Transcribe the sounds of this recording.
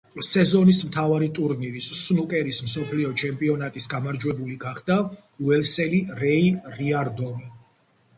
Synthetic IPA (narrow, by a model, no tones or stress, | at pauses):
sɛzɔnismt̪ʰavaɾit̪ʼuɾniɾisːnukʼɛɾismsɔpʰliɔt͡ʃʰɛmpʼiɔnat̪ʼisɡamaɾd͡ʒwɛbuliɡaχd̪a | uɛlsɛliɾɛiɾiaɾd̪ɔmi